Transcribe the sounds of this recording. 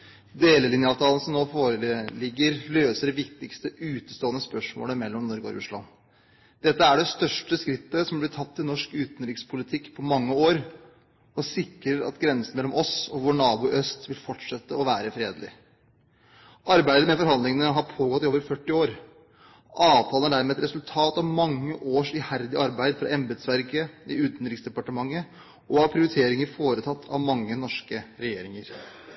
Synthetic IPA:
d̪eːləlɪnjəɑʋt̪ʰɑːlən̩sɔmnoːfoːɾəlɪɡːəɾløːsəɖɛʋɪkt̪ɪkst̪əʔʉːt̪əst̪oːənəspœʂmo̰ːləmɛlːɔmnɔɾɡo̰ɾʉ̰ʂlɑ̰n | d̪̥ɛt̪ːəæɖɛst̪œʂʈəskɾɪt̪ːəsɔmblɪtʰɑt̪ʰːɪnɔʂkʉːt̪nɾɪkspʰʊlɪt̪ʰɪkːpʰɔmɑŋːəoːɾ | ɔsɪkɾəɾɑ̰t̪ɡɾɛnsən̩mɛlːɔmʔɔsɔʋʊɳɑːbʊʔœst̪ʋɪlfɔʈʂɛt̪ːəɔʋæːɾəfɾeːd̪lɪ̰ | ɑɾbæɪd̪əmɛfɔɾɦɑnd̪lɪŋənəɦɑɾpʰoːɡɔt̪ːɪoːʋəɾfœʈːɪoːɾ | ʔɑːʋt̪ʰɑːlənæɖæːɾmɛːɛt̪ɾɛsʉlt̪ʰɑːt̪ɑʋmɑŋːəʔoːʂɪhæɾd̪ɪʔɑɾbæɪd̪fɾɑ̰ʔɛmbɛd̪sʋæɾkəɪʉːt̪nɾɪksd̪ɛpɑʈəmɑŋːə | ʔɔɑʋpʰɾɪʊɾɪt̪ʰeːɾɪŋəɾfoːɾət̪ʰɑt̪ːʰɑ̰ʋmɑŋːənɔʂkəɾɛjeːɾɪŋəɾ

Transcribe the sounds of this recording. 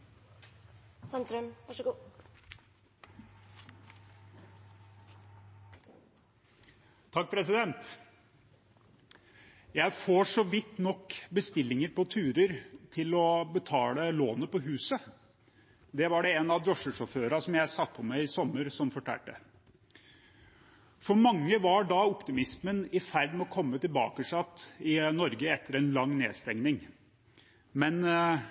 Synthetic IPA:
sɑnt̪ɾœmʋɑʂɡ | t̪ʰɑk̚ːpʰɾɛsɪd̪ɛnt̪ | jæɪfoːʂɔʋɪt̪ːnɔkːbəst̪ɪlːɪŋəɾpɔt̪ʰʉːɾəɾt̪ʰɪlɔbət̪ʰɑːləloːnəpɔɦʉːsə | d̪ɛʋɑɖɛɛnɑd̪ɾɔʂəʂɔføːɾɑsɔmjæɪsɑt̪̚ːpʰɔmæɪɪsɔmːəɾsɔmfɔʈʰæ̰ːʈːə̰ | fɔɾmɑŋːəʋɑɖɑʊpt̪ɪmɪsmənɪfæɾɖmɛɔkʰɔmːət̪ɪlbɑ̰ːkəʂɑt̪ːɪnɔɾɡəɛt̪ʰːəɾɛnlɑŋːnḛːdst̪ɛŋnɪŋ | mɛn

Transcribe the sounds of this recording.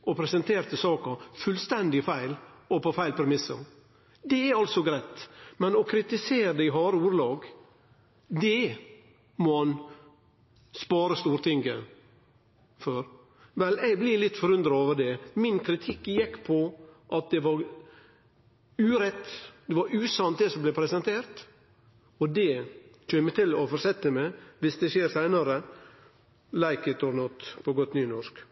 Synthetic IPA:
ʔɔpʰɾɛsənt̪ʰeːɾt̪əsɑːkɑfʉlst̪ɛnd̪ɪfæɪlɔpɔfæɪlpʰɾɛmɪsə̰ | d̪ɛæɾɑlsɔɡɾæɪt̪mɛnɔkʰɾɪt̪ɪseːɾəd̪ɛɪɦɑːɾəuːɾlɑːɡ | d̪ɛ | mɔn | spɑːɾəst̪uːɾt̪ʰɪŋɡə̰ | føɾ | ʋɛlɛɪɡblɪlɪt̪ːfɔɾʉnd̪ɾɑoːʋəd̪ɛmɪnkʰɾɪt̪ʰɪkːjɪkːpʰɔʔɑt̪̚d̪ɛʋɑɾ | ʉːɾɛt̪ːd̪̥ɛʋɑɾʉːsɑnt̪̚d̪ɛsɔmblɛpʰɾɛsɛnt̪ʰeːɾt̪ | ɔd̪ɛt͡ʃøːmɛt̪ʰɪlɔfɔɾʂɛt̪ːəmɛɪʋɪsd̪ɛʃeːɾsæɪnəɾə | læɪkət̪ʰɔɾnɔt̪pʰɔɡɔt̪nyːnɔʂk

